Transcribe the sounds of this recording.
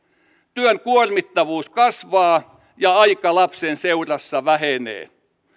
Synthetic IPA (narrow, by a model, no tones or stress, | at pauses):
t̪yøŋkuormit̪ːɑʋuːskɑsʋɑː | jɑɑikɑlɑpsenseurɑsːɑʋæhenḛː